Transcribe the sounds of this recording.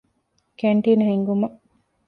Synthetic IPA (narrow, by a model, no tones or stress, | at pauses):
keɳʈiːnɐɦeŋɡumɐ